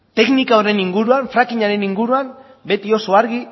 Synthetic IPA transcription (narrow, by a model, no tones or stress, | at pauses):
t̪e̞knikaoɾe̞niŋɡuɾuaɱfɾakiɲaɾe̞niŋɡuɾuam | be̞t̪io̞so̞aɾɣi